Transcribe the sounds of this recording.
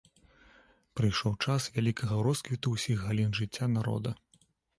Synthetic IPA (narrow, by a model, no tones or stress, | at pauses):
pɾɨjʂɔwt͡ʂasvʲalʲikɐɣɐɾɔskvʲit̪uwsʲixɣalʲinʐɨt͡sʲːanaɾɔ̰d̪ɐ